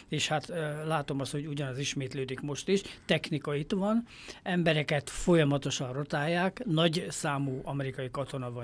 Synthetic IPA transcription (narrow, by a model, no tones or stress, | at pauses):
eːʃhat̪laːt̪o̞mɒst̪ho̞ɟuɟɒnɒziʃmeːt̪løːd̪ikmo̞ʃt̪iʃt̪ɛxnikɒit̪ʋɒn | ɛmbɛɾɛkɛt̪fo̞jɒmɒt̪o̞ʃɒnrot̪aːjːaːknɒɟsaːmuːɒmɛɾikɒjikɒt̪o̞nɒvɒ